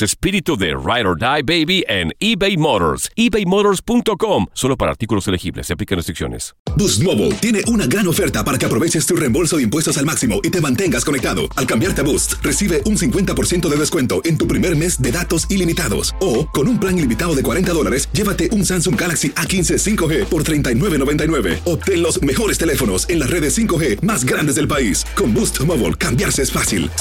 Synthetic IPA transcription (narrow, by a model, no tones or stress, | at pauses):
sespiɾit̪uðḛrajɾoɾd̪ajbejβiʔenibejmoɾo̰ɾsibejmoðoɾspunt̪o̞komso̞lopaɾa̰ɾt̪ikulo̞selexiβleseplikenrest̪ɾiksjo̞̰nḛsbust̪moβṵlt̪je̞ne̞ʔunaɣɾano̞fe̞ɾt̪apaɾake̞apɾo̞βet͡ʃe̞st̪urembo̞lsoðeimpwe̞st̪o̞salmaksimo̞ʔit̪e̞mãnt̪e̞ŋɡasko̞ne̞k̚t̪aðo̞̰alkambjaɾt̪eaβust̪re̞siβe̞ʔunsiŋkwe̞nt̪apo̞ɾsje̞nt̪o̞ðe̞ðeskwe̞nt̪o̞ʔent̪upɾimeɾme̞zd̪eðat̪o̞silimit̪aðo̰soko̞numplaŋilimit̪aðoðe̞kwaɾe̞nt̪aðo̞la̰ɾesɟ͡ʝe̞βat̪e̞ʔunsansuŋɡalaksiʔakinse̞siŋkoxe̞po̞ɾt̪ɾe̞jnt̪ajnwe̞βeno̞βe̞nt̪ajnwe̞βe̞̰op̚t̪enlo̞sme̞xo̞ɾe̞st̪ele̞fo̞no̞̰senlasre̞ðesiŋko̞xe̞mazɡɾand̪ezðelpaisko̞mbust̪moβo̰lkambjaɾseesfasḭl